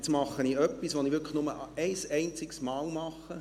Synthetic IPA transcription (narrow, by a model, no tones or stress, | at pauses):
t͡smɑχːəniœpːisʋoniʋʏɾkʰə̥nʊməɛɪsɛɪnt͡sɪksmɑːlmɑχːə